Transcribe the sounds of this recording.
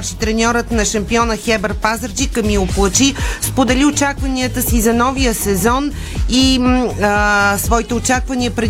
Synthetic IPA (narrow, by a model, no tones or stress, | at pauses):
ɾʃit̪ɾɛnʲɔɾət̪nɐʃɐmpiɔnəxɛbəɾpazəɾd͡ʒikəmioplˠət͡ʃispod̪ɛliot͡ʃakvɐniət̪əsizɐnɔvijəsɛzɔn | i | svɔit̪ɛot͡ʃakvɐniəpɾɛ